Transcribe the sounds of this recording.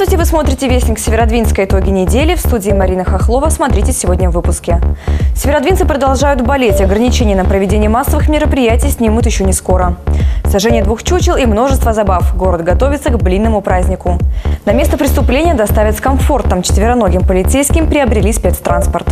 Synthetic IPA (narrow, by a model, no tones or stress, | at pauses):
tʲɪvɨsmo̞t̪ɾʲɪtʲɪvʲesʲɪksʲɪvʲɪɾɐd̪vʲinskəjɪt̪o̞ɡʲɪnʲɪdʲelʲɪfst̪udʲɪːmɐɾʲinɨxɐxlˠo̞vəsmɐt̪ɾʲitʲɪsʲɪvo̞dʲnʲəvːɨpʊskʲɪsʲɪvʲɪɾɐd̪vinsɨpɾəd̪ɐlˠʐajʊd̪bɐlʲetʲɐɡɾənʲɪt͡ɕenʲɪjənəpɾəvʲɪdʲenʲɪjəmasːəvɨxmʲɪɾəpɾʲɪjætʲɪjsʲnʲimʊt̪jɪɕːonʲɪsko̞ɾəsɐʐɛnʲɪjəd̪vuxt͡ɕut͡ɕɪlˠimno̞ʐɨst̪vəzɐbafɡo̞ɾəd̪ɡɐt̪o̞vʲɪt̪səɡblʲinːəmʊpɾazʲnʲɪkʊnɐmʲe̞st̪əpɾʲɪst̪ʊplʲenʲɪjəd̪ɐst̪avʲɪt̪skɐmfo̞rt̪əmt͡ɕɪ̥t̪vʲɪɾɐno̞ɡʲɪmpəlʲɪt̪sejskʲɪmpɾʲɪɐbɾʲɪlʲispʲe̞t̪st̪ɾanspərt̪